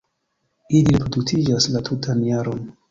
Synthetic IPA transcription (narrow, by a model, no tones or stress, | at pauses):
iliɾepɾodut͡sid͡ʒaslatʰutʰanjaɾo̞n